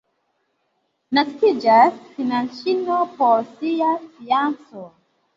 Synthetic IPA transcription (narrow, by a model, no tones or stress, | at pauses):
naskid͡ʒasfinãnʃinopoɹsiasiãnso